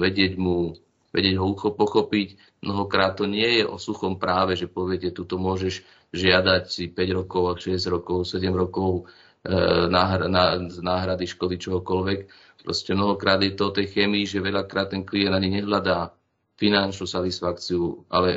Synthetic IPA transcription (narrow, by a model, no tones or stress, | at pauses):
ʋɛɟɪɛɟmu | ʋɛ̰ɟɪɛɟɦɔuxɔpɔxɔpic | mnɔɦɔkɾaːt̪ːɔɲɪɛjɛʔɔ̰suxɔmpɾaːʋɛʒɛpɔʋɪɛcɛt̪ut̪ɔmʊɔʒɛʒ | ʒɪad̪acsipɛɟɾɔkɔʊaʃɛzɟɾɔkɔʊsɛɟɛmɾɔkɔʊ | naːɦɾnanaːɦɾad̪iʃkɔd̪it͡ʃɔɦɔkɔlʋɛk | pɾɔ̰scɛmnɔɦɔkɾaːd̪jɛt̪ɔɔt̪ɛjxɛːmiiʒɛʋɛʎakɾaːt̪ːɛnkliɛnd̪aɲiɲɛɦlad̪aː | finant͡ʃnusat̪isfakt͡siuʔa̰lɛ